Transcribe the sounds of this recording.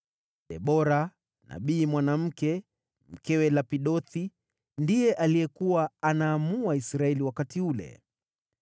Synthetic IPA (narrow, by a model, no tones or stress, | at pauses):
ɗɛɓɔɾa | na̰ɓiːmwanam̩kɛ | m̩kɛwɛlapiɗɔθi | ndijɛʔalijɛkuwaanaːmuaisɾaɛliwakatiulɛ̰